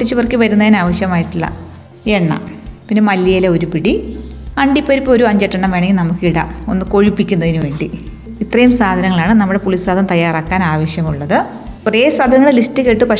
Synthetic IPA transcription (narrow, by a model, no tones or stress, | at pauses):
ʈːit͡ɕːɨʋɐrkːɨʋɐɾunːɐðinaːʋɐɕjɐmaːjiʈːuɭːɐ̰ | eɳːɐ̰pinːe̞mɐlːɐjileo̞ɾupiɽi | ɐɳɖipːɐɾipːo̞ɾuɐɲd͡ʑeʈːɐɳɐmʋe̞ːɳɐŋɡilnɐmukːiɽɐ̰o̞nːɨko̞ɻipːikʲːunːɐðinuʋe̞ːɳɖi | it̪rɐjumsaːd̪ʱɐnɐŋːɐɭaːɳɨnɐmːuɽe̞puɭisaːd̪ɐmt̪ɐjːaːraːkːaːnaːʋɐɕjɐmuɭːɐðɨ | reːsɐd̪ʱɐŋːɐɭelistːɨkeʈːɨpɐ